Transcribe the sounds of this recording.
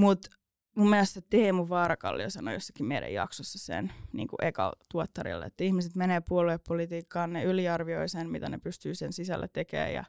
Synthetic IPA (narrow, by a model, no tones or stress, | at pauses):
mut̪ | mumːiælæst̪set̪eːmuʋʋɑːɾɑkɑ̰lːiɑsɑno̰josːɑ̥kimeiɾæ̰jɑ̰ksosːɑsḛnnḭːŋkuʔekɑ̰t̪uot̪ːɑrḭlːḛet̪ːæihmiset̪meneːpuolueppolit̪iːkːɑːnneyliɑrʋioisenmit̪ænepyst̪yːsensisælːʔæ̰t̪ekḛːjjɑ̰